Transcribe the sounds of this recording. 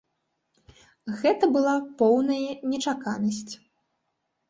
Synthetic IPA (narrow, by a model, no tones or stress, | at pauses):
ɣɛt̪ɐbɨlˠapɔwnɐjɐnʲɛt͡ʂakanɐsʲt͡sʲ